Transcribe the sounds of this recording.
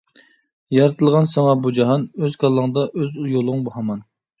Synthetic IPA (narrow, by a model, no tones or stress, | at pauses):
jɑɾɨt̪ʰɨlˠʁɑnsɑŋɑbud͡ʒɑɦɑnøzkʰɑlˠːəŋd̪ɑʔøzjolˠŋbuhɑmɑn